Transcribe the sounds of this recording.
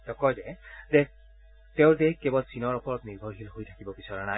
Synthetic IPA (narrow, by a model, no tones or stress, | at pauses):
tɔkɔjzɛde | teʊɹdekebɔlsinɔɹɔpɔɹɔtniɹbʱɔɹɦilɦojtʰakibɔbisaɹanaj